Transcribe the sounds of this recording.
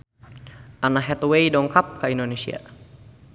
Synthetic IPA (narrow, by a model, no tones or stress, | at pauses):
ʔanaɦɛt̪wejdɔŋkap̚kaindonesḭa̰